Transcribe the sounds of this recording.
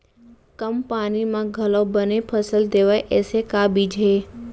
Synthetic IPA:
kəmpaːnimãɡʱəlõbənepʰəsəld̪eʋajʔesekabid͡ʒʱe

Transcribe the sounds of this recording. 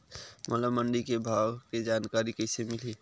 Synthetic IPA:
mʔəlaməɳɖikebʱawked͡ʒankaɾikəɪsemɪli

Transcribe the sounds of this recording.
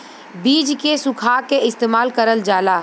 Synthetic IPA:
biːd͡ʒkesʊkʰaːkeɪst̪eːmaːlkəɾəld͡ʒaːlaː

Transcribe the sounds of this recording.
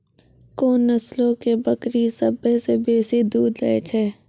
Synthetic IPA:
koːnːəslõkebɐkɾisɐbəsebeːsid̪uːd̪lɐ̰et͡ʃʰɛː

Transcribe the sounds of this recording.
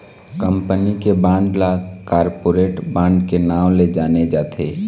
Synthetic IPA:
kə̃mpənikebãːɳɖlakaːɾpoːɾeːʈbãːɳɖkenaːwled͡ʒaːned͡ʒaːt̪ʰeː

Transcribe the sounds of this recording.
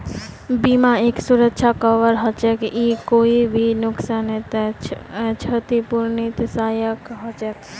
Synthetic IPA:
bimaeksuɾəkt͡ʃʰakəʋəɾɦɔt͡ʃɛkikoibʱinʊksanit̪ | t͡ʃʰət̪ipuɾnit̪sajəkɦɔt͡ʃɛk

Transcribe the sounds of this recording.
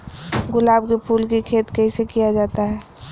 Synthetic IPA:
ɡʊlaːbkepʰuːlkikʰeːt̪kəɦisekijad͡ʒaːt̪aɦɛː

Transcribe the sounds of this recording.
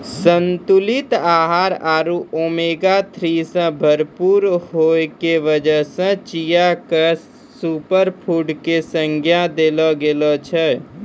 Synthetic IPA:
sənt̪ulit̪aːɦaɾaːɾuʔomeɡat̪ʰɾisə̃bʱəɾpuɾɦoekeʋəd͡ʒəɦsə̃t͡ʃijakə | supəɾpʰuɖkesə̃ŋɡʱjad̪elɔɡelɔt͡ʃʰɛ

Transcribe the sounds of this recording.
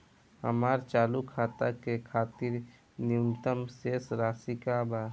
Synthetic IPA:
ɦə̰maːɾt͡ʃaːlukʰaːt̪akekʰaːt̪ɪɾ | njunt̪əmseːsɾaːsikabaː

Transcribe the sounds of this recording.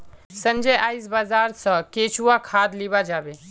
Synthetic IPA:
sə̃nd͡ʒəjʔaːis̬bazaːɾsə̃keːt͡ʃuakʰaːd̪libad͡ʒaːbe

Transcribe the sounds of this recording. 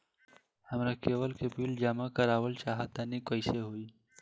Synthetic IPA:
hɐmɾakeːwəlkebiːld͡ʒaːmakɐɾaːwəlt͡ʃaːɦat̪anikəɪseɦuiː

